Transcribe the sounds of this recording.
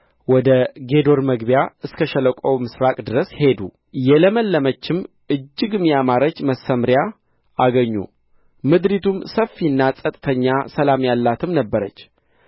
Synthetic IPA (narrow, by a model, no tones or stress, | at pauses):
wɔd̪əɡe̞d̪o̞ɾməɡbjaɨskʰəʃələkʷʼəwmɨsɾakʼd̪ɨɾəshe̞d̪u | jɛləməlːəmət͡ʃːɪm | ɨd͡ʒːɨɡɨmjamaɾət͡ʃməsəmɾja | aɡəɲːṵ | mɨd̪ɾit̪ʰumsəfːiɨnːasʼət̪ʼt̪ʰəɲːasəlamjalːat̪ʰɨmnəbːəɾət͡ʃː